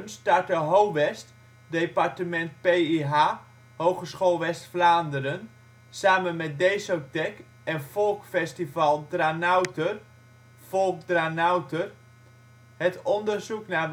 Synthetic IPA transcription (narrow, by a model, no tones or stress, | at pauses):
nstartəɦowʋɛst | departəmɛnt̚pejiɦa | howχəsχolˠʋɛstflaːndərən | saːmənmɛt̚dejsotɛk | ɛnfɔlˠkfɛstivɑlˠdranawtər | folˠkdranawtər | ɦətɔndərzukna